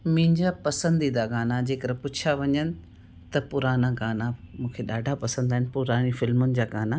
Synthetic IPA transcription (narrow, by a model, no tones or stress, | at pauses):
mɪ̃ɲd͡ʑapɐsə̃nd̪id̪aɡaːnad͡ʑeːkəɾɛ̃pʊt͡ɕʰaʋɐɲənɪ̆ | t̪ɐpʊɾaːnaɡaːnamũːkʰeɗaːɖʱapɐsə̃nd̪aːɦɪnɪ̆pʊɾaːnifɪlmʊnɪ̆d͡ʑaːɡaːna